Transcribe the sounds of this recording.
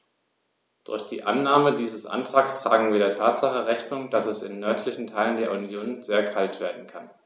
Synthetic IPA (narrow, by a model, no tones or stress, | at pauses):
d̥ʊ̰ɐçd̥ḭːʔanːaːmədiːzəsʔa̰ntʁ̥aːkstʁ̥a̰ːɡŋ̩viːdeɐtʰaːtz̥aχəʁɛçnʊŋd̥asɛsɪnːœɐtʰlɪçn̩tʰaɪləndeːɐunjoːnzeːɐkʰaltv̥eːɐdn̩kʰan